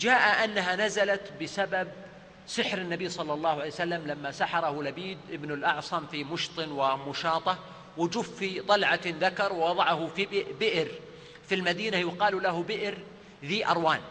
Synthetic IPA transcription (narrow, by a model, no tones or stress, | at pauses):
d͡ʒaːʔaʔanːaɦanazalat̪bɪsabab̚ | sɪħɾɪnːabiːsˤɑlːɑlˤːɑːhʕalejwsalːamlamːasaħɑɾˤɑhʊlabiːd̪ʔɪbnɪlʔɑʕsˤɑmfimʊʃt̪ˤɨnwɪmʊʃɑːt̪ˤɑ | wɪd͡ʒufːit̪ˤɑlʕɑðakɑɾˤwwɑðˤɑʕɑhʊfiɪbɪʔɾ | filmad̪iːnajɪqɑːlulahʊbɪʔɾ | ðiːʔɑ̰ɾˤwaːn